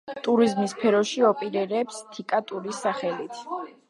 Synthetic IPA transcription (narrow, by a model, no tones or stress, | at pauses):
t̪ʼuɾizmispʰɛɾɔʃiɔpʼiɾɛɾɛpst̪ʰikʼat̪ʼuɾisːaχɛlit̪ʰ